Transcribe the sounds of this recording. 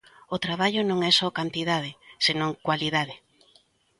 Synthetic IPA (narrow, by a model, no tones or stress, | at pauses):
ot̪ɾaβaʎʊnõŋɛsɔkant̪iðað̞ɪsenõŋkwaliðaðɪ